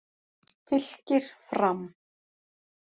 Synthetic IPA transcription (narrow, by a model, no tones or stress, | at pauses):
θɪl̥cɪɾ̥fɾam